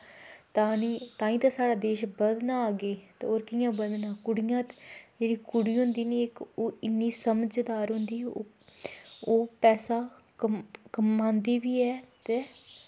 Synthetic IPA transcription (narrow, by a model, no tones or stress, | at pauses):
t̪aːnĩːt̪ãːĩːt̪aːsaːɽaːd̪eːʃbəd̪naːɡeːt̪ḛːoːɾkijãːbəd̪nãːkʊɽijãːt̪d͡ʒeːɽiːkʊɽiːɦʊnd̪iːniːekoɪnːiːsəməd͡ʒd̪aːɾɦʊnd̪iː | oːpɛːsaː | kəmãːnd̪iːʋiːɛːt̪eː